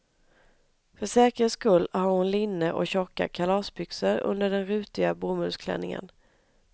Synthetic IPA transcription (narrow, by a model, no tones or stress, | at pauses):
fœʂɛːkəskɵlːhaɾhʊnlɪnːəʔɔ̰ɕɔkːa̰kʰalɑːsbʏksəɾɵ̰nd̪əɖɛnɾʉ̟ːt̪ɪɡabuːmʉlskʰlɛ̰nːɪŋə̰n